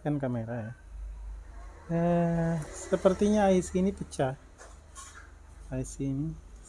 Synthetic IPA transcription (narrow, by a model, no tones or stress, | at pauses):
kankameɾaja | ə | səpərt̪iɲaːisinipət͡ʃah | aisini